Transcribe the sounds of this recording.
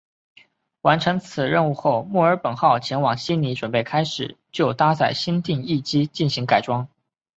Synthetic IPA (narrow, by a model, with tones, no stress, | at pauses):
wa˧˥nʈ͡ʂʰɤ˧˥ŋt͡sʰɹ̩˨˩ɻə˥˧nu˥˧xo˥˧ʊmu˥˩ə˞˧˥pə˨˩nxɑ˥˩ʊt͡ɕʰjɛ˧˥nwɑ˨˩ŋɕi˥nni˧˥ʈ͡ʂwə˨˩npe˥˩ɪkʰa˥ɪʂɻ̩˨˩t͡ɕjo˥˩ʊt̪a˥t͡sa˥˩ɪɕi˥nt̪i˥˧ŋi˥˩t͡ɕi˥t͡ɕi˥˩nɕi˧˥ŋka˨˩ɪʈ͡ʂwɑ˥ŋ